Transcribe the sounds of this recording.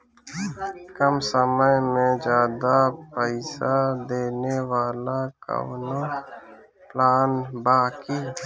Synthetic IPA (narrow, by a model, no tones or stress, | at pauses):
kəmsəməjmẽd͡ʒjaːd̪apəɪsad̪eːnewaːlaka̰wno | plaːnbaːkiː